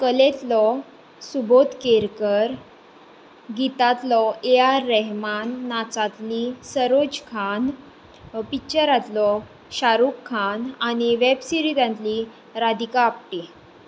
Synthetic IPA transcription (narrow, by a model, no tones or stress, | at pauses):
kəlet̪lɔ | subot̪keɾkəɾ | ɡit̪at̪lɔeaɾːɛɦmanːat͡sat̪lisəɾod͡ʑkʰan | pit͡ɕəɾat̪lɔ | ɕaɾukʰːanañiʋebsiɾit̪ãnt̪li | ɾad̪ikaːp̚ʈi